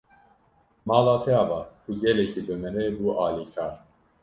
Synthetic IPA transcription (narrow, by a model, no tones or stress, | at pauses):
mɑːlaːt̪ʰɛjɑːvɑːkʰuɡɛlɛkʰiːbɨmɛnebuːʔɑːliːkʰɑːɾ